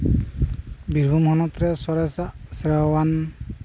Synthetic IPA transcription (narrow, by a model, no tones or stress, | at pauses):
biɹbʱumhɔnɔt̪ɾɛsɔɾɛsasɾawan